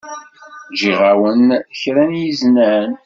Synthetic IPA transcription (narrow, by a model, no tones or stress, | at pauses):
d͡ʒiʁawənçɾænjiznæn